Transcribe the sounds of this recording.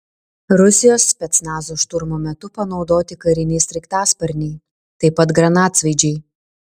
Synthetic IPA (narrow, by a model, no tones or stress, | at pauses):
ɾʊsʲɪjoːspʲɛt̪snɑːzoːʃt̪ʊɾmoːmʲɛt̪ʊpɐnɒʊd̪oːt̪ʲɪkɐɾʲɪnʲɛɪsʲɾʲɛkt̪ɑːspɐɾʲnʲɛɪ | t̪ɐɪpɐt̪ɡɾɐnɑːt̪sʋɐɪd͡ʒʲɛɪ